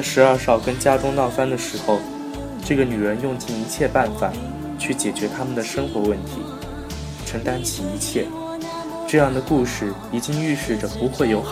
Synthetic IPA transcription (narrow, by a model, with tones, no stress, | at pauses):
ʂɻ̩˧˥ə˞˥˧ʂɑ˥˩ʊkə˥nt͡ɕja˥ʈ͡ʂʊ˥ŋnɑ˥˩ʊfa˥nd̪ə˨ʂɻ̩˧˥xo˧ʊ | ʈ͡ʂɤ˥˩ɡə˩ny˨˩ɻə˧˥njʊ˥˧ŋt͡ɕi˥˩ni˧˥t͡ɕʰjɛ˥˧pa˥˩nfa˨˩ | t͡ɕʰy˥˩t͡ɕjɛ˨˩t͡ɕɥɛ˧˥t̪ʰa˥mə˨nd̪ə˩ʂɤ˥ŋxwɔ˧˥wə˥˩nt̪ʰḭ˧˥ | ʈ͡ʂʰɤ˧˥ŋt̪a˥nt͡ɕʰi˨˩i˧˥t͡ɕʰjɛ˥˩ | ʈ͡ʂɤ˥˧jɑ˥˩ŋd̪ə˩ku˥˧ʂɻ̩˥˩ | i˨˩t͡ɕi˥ŋy˥˧ʂɻ̩˥˩ʈ͡ʂə˩pu˧˥xwe˥˩ɪjo˧˥ʊx